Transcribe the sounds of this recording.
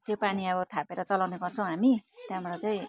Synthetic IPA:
t̪jopaniʌβʌt̪ʰapeɾʌt͡sʌlawneɡʌrt͡sʰʌ̃w̃ɦamit̪jãmʌɾat͡saĩ

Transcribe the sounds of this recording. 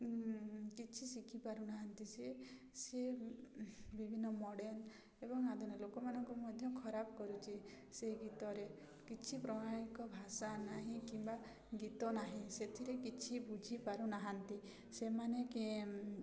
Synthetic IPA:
kit͡ʃʰisikʰipaɾunaɦant̪ise | se | bibʱinːɔmɔɽen | ebɔŋad̪ʱunɔlokɔmanɔŋkumɔd̪ʱjɔkʰɔɾabɔkɔɾut͡ʃʰi | seɡit̪ɔɾe | kit͡ʃʰipɾɔɽaɽ̃ikɔbʱasanaɦĩkimba | ɡit̪ɔnaɦĩset̪ʰiɾekit͡ʃʰibud͡ʒʱipaɾunaɦant̪i | semaneke

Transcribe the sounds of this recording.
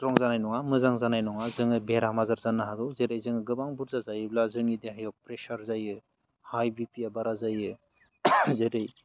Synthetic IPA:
tɾɔŋzanajnɔŋamɯzaŋzanajnɔŋazɯŋɯbeɾamazaɾzanːaɦadɔzeɾajzɯŋɯɡɯbaŋbuɾzazajɯblazɯŋideɦajɔwpɾesaɾzajɯ | hajbipiabaɾazajɯ | zeɾɯj

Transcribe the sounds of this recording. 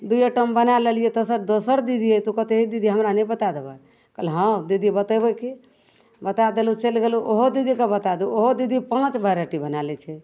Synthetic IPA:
d̪ujəʈəmbənalelijet̪əsəɾd̪osəɾd̪id̪ʱiet̪okət̪eɦid̪id̪iɦəmɾanɛbət̪ad̪eba̰ | kəlɦə̃d̪id̪ibət̪əbəki | bət̪ad̪elut͡ʃelɡeluʔoɦod̪id̪ʱikebət̪ad̪uoɦod̪id̪ʱipãt͡ʃbʱəɾəʈibənalɛt͡ʃʰɛ

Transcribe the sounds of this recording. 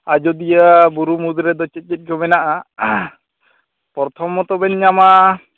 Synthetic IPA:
ad͡ʒɔd̪ijabuɾumud̪ɾɛd̪ɔt͡ʃɛt̪̚ˀkɛt̪̚ɡɔmɛnaʔa | pɔɾɔt̪ʰɔmːɔt̪ɔbɛɲɲama

